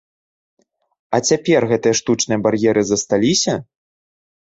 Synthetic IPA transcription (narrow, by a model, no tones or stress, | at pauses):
ɐt͡sʲapʲɛrɣɛt̪ɨjɐʂt̪ut͡ʂnɨjɐbarjɛɾɨzɐst̪alʲisʲɐ